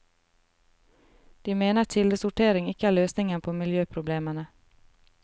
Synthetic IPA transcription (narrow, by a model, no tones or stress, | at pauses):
d̪̥iːmeːnət̪ʰɪld̪əsʊʈeːɾɪŋɪkəæːɭøːsnɪŋənpʰoːmɪljøːpʰɾʊbleːmənə